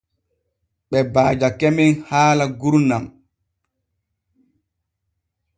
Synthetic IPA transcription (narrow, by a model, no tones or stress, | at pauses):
ɓɛbaːd͡ʒakɛminhaːlaɡuɾnam